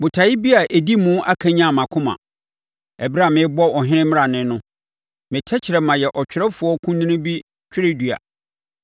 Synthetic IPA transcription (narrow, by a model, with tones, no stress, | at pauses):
bʊ˨tʰa˨jɪ˦bi˦a˨ʔe˨di˦mũ˦ʔa˦kʰã˦ɲã˦˨mã˨kʰʊ̃˦mã̰˨ | ɛ˨bɪ˦ɾa˦˨mɪ̃˨˦bɔ˦ɔ˨ɦɪ̃˦ɪ̃˦mɪ̃˦ɾa˨nɪ̃˦nʊ̃˦ | mɪ̃˨tʰɛ˦t͡ɕʰɪ˨ɾɛ˨mã˨jɛ˨ʔɔ˨t͡ɕᶣɪ˨ɾɛ˦fʊ˨˦ɔ˦kʰũ˦nnɪ̃˦nɪ̃˦bi˦ | t͡ɕᶣɪ˦ɾe˦du˨a̰˨